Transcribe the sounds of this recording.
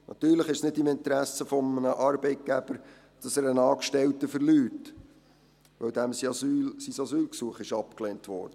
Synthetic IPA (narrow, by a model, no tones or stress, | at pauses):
nʔɑt̪yːɾləχɪʃsnɪdɪmɪnt̪ɾæsəfɔmənəʔɑɾb̥ɛɪt̚ɡ̥æb̥əɾ | d̥ɑsæːɾənɑːkʃtɛltəfəɾlyːt | ʋœwdæmysisɑsyːlksuəχɪʃɑpkleːntʋɔ̰ːɾd̥ə